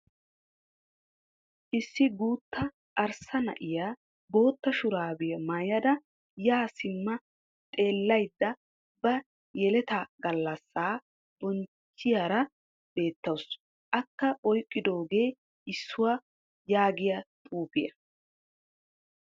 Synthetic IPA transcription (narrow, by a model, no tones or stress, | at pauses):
ʔɪsːɪɡuːt̪ːɐ | ʔɐɾsɐnɐ̰ʔɪjaː | bo̞ːt̪ːɐʃʊɾaːbɪjɐmɐjɐd̪ɐ | jaːsɪmːɐ | t̪ʼe̞ːlːɐjd̪ːɐ | bɐ | jɛlɛt̪ɐɡɐlːɐsːaː | b̥ɔn | t͡ʃːɪjaːɾɐ | b̥e̞ːt̪ːɐws | ʔɐkːɐʔɔjkʼːɪd̪o̞ːɡe̞ː | ʔɪsːʊwa | jaːɡɪjɐt̪ʼuːpɪjɐ